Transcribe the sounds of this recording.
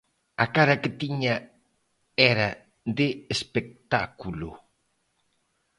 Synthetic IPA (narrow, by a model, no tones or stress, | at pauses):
akaɾɐkɪt̪iɲa | ɛɾɐ | d̪eespek̚t̪akulu